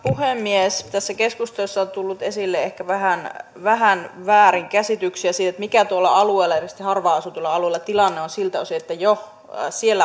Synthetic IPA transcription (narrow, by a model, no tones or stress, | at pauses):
puhemːiest̪æsːækeskust̪oosːɑot̪ulːut̪esilːeehkæʋæhæn | ʋæɦænʋæːɾiŋkæsit̪yksiæsiːt̪et̪mikæt̪uolːɑɑlueːlɑerst̪ihɑrʋɑːˑɑsut̪uolːɑɑluelːˑɑt̪ilɑnːeonsilt̪osiet̪ːæjo | sielːæ